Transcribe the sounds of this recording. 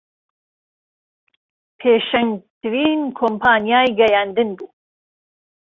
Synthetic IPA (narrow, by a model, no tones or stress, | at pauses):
pʰeːʃɐŋt̪ʰɨɾiːnkʰompʰaːnjaːjɡɐjaːnd̪ɨnbuː